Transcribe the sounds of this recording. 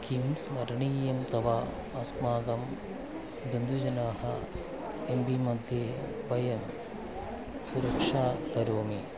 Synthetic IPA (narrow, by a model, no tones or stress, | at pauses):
kimsmɐɾɐɳiːjɐmt̪ɐʋaː | ɐsmaːɡɐm | bend̪ud͡ʒɐnaːɦɐ̰ | embimɐd̪ʱjeː | bɐjɐm | suɾɐkʂaːkɐɾoːmi